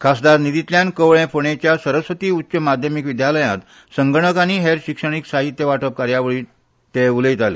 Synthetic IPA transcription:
kʰasd̪aɾnid̪it̪ljãnkəʋɭẽfoɳet͡ɕjasəɾəsʋət̪iːut̪ːɕəmad̪ʱjəmikʋid̪jaləjãt̪ | səŋɡəɳ̃əkañiɦeɾɕikʂəɳ̃iksaɦit̪jəʋaʈəp̚kaɾjaʋəɭiː | t̪euləit̪alḛ

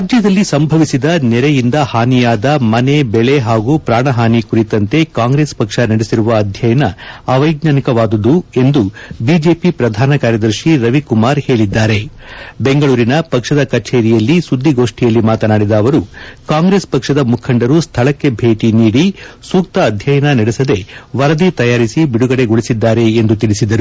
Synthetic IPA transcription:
ɾaːd͡ʒjɐd̪ɐlːisɐmbʱɐʋisid̪ɐnɛɾejind̪ɐhaːnijaːd̪ɐmɐne̞bɛɭe̞ɦaːɡupɾaːɳɐɦaːnikuɾit̪ɐnt̪e̞kaːŋɡɾe̞ːspɐkʂɐnɐɽesiɾuʋɐːd̪ʱjɐjɐnɐːʋɐjɡnaːnikɐʋaːd̪ɐd̪ue̞nd̪ubiːd͡ʒe̞ːpipɾɐd̪ʱaːnɐkaːɾjɐd̪ɐɾʂiɾɐʋikumaːɾhe̞ːɭid̪ːaːɾe̞be̞ŋɡɐɭuːɾinɐpɐkʂɐd̪ɐkɐt͡ʃeːɾijɐlːisud̪ːiɡo̞ːʂʈijɐlːimaːt̪ɐnaːɽid̪ɐːʋɐɾukaːŋɡɾe̞ːspɐkʂɐd̪ɐmukʰɐɳɖɐɾust̪ʰɐɭɐkːe̞bʱe̞ːʈiniːɽisuːk̚t̪ɐːd̪ʱjɐjɐnɐnɐɽesɐd̪e̞ʋɐɾɐd̪it̪ɐjaːɾisibiɽuɡɐɽe̞ɡoɭisid̪ːaːɾe̞ːnd̪ut̪iɭisid̪ɐɾu

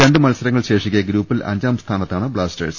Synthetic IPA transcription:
ɾe̞ɳɖɨmɐlsɐɾɐŋːɐɭɕe̞ːʂikʲːɐɡɾuːpːilʔɐ̰ɲd͡ʑaːmst̪ʰaːnɐt̪ːaːɳɨbɭaːstɐ̰rs

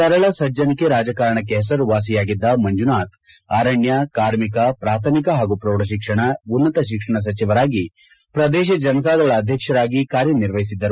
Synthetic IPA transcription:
sɐɾɐɭɐsɐd͡ʒɐnikeɾaːd͡ʒɐkaːɾɐɳɐkːeɦɛsɐɾuʋaːs̬ijaːɡid̪ːɐmɐɲd͡ʒunaːt̪ | aːɾɐɳjɐkaːɾmikɐpɾaːt̪ʰɐmikɐɦaːɡupɾoːɽɐʃikʂɐɳɐunːɐt̪ɐʃ̬ikʂɐɳɐs̬ɐt͡ʃiʋɐɾaːɡi | pɾɐd̪ɛːʃ̬ɐd͡ʒɐnɐkaːd̪ɐɭɐːd̪ʱjɐkʂɐɾaːɡikaːɾjɐniɾʋɐɦisid̪ːɐɾu

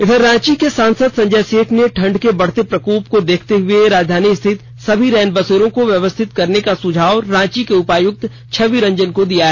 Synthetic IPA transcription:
ɪd̪ʱəɾːãːt͡ʃikesãːnsəd̪sɐ̃ɲd͡ʒɛseːʈʰneʈʰɐ̃ɳɖkebɐɽ̤t̪epɾɐkoːp̚kod̪eːkʰt̪eɦʊeɾaːd͡ʒd̪ʱaːnist̪ʰɪt̪ | sɐbʱiɾɛːnbɐseːɾõkoʋjɐʋəst̪ʰɪt̪kɐɾnekasʊd͡ʒʱaːʋɾãːt͡ʃikeʊpaːjʊk̚t̪ | t͡ʃʰɐʋiɾɐ̃ɲd͡ʒənkod̪ijaɦɛː

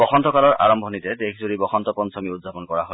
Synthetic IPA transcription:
bɔxɔnt̪ɔkalɔɹa̰ɹɔmbʱɔnitɛdekʰzoɹibɔxʰɔnt̪ɔpɔnsʰɔmiudzʱapɔnkɔɹa̰ɦo

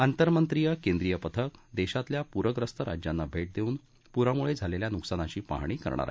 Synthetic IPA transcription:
ant̪əɾmənt̪ɾijəkẽnd̪ɾijəpət̪ʰəkd̪eɕat̪ljapuɾəɡɾəst̪ʰəɾa̰d͡ʑjanːabʱeʈ̚d̪euːn | puɾamuɭed͡zʱaleljanuksanaɕiːpa̰ɦɳ̃iːkə̰ɾɳ̃a̰ɾa̰ɦi

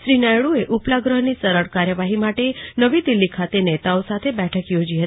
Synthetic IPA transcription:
ʃɾinajɭueʔuplaɡɾəɦnisəɾəɽkaɾjəʋaɦimaʈenəʋid̪ilːikʰat̪enet̪aosat̪ʰebɛʈʰəkjod͡ʒiɦə

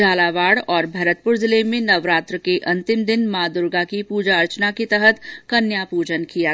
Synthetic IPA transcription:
d͡ʒaːlaʋaːɽɔːɾbʱɐɾət̪̚pʊɾzɪlemẽnɐʋɾaːt̪ɾəkeʔɐ̃nt̪ɪmd̪ɪnmaːd̪ʊɾɡakipuːd͡ʒaɐɾt͡ʃnaket̪əɦət̪kɐnjaːpuːd͡ʒənkija

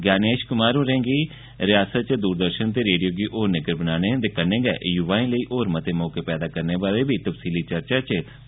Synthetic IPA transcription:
ɡjaːneːʃkʊmaːɾũːɾɛ̃ːŋɡiː | ɾɪjaːsət̪̚t͡ʃ̚d̪uːɾd̪əɾʃənt̪eːɾeːɖijoːɡiːʔoːɾnəɡəɾbənaːñeːd̪ekənẽːɡɛ̰ːjʊʋaːĩːləiːʔoːɾmət̪eːmɔːkeːpɛːd̪aːkəɾneːbaːɾeːbʱiːt̪əfsiːliːt͡ʃəɾt͡ʃaːt͡ʃ

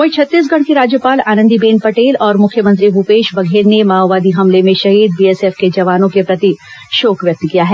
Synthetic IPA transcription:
oɪt͡ʃʰɐt̪ːiːs̬ɡʱɐɽ̃kiɾaːd͡ʒjəpaːlaːnə̃nd̪ibeːnpɐʈeːlɔːɾmʊkʰjəmə̃nt̪ɾibupeːʃbɐɡʱeːɾnemaːʋaːd̪iɦɐmlemẽʃɐɦiːd̪̚biɛsɛfked͡ʒɐʋaːnõkepɾɐt̪i | ʃoːkʋjɐk̚t̪kijaɦɛː

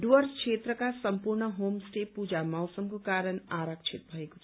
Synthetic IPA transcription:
ɖwəɾskʰet̪ɾəkasəmpuɾɳəɦomsʈepud͡ʒamawsəmkokaːɾənaɾəkt͡ʃʰit̪̚bʱʌeko̥t͡ʃʰ

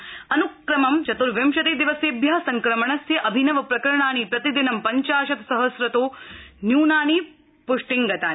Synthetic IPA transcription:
ɐnukɾɐmɐmt͡ʃɐt̪uɾʋjɐmʃɐt̪eːd̪iʋɐseːbʱjɐsɐŋkɾɐmɐɳɐsjɐʔɐbʱinɐʋɐpɾɐkɐɾɐɳaːnipɾɐt̪id̪inɐmpɐɲt͡ʃaːʃɐt̪sɐɦɐsɾɐt̪oːnjuːnaːni | puʂʈiŋɡɐt̪aː

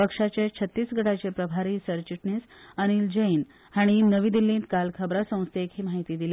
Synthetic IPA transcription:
pəkʂat͡ɕjet͡ɕʰət̪ːiːsɡʱəɽat͡ɕepɾəbʱaɾiːsəɾt͡ɕiʈnisəɽ̃ild͡ʑəin | haɽ̃inəʋiːd̪ilːĩnt̪kalkʰəbɾasə̃w̃st̪ekɦiːmaɦit̪iːd̪ilje

